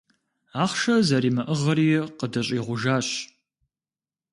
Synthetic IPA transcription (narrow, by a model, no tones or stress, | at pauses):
aːχʃɐzɐɾiːmɐʔəʁɐɾijɛqədɐɕʼiːʁʷʊʒaːɕ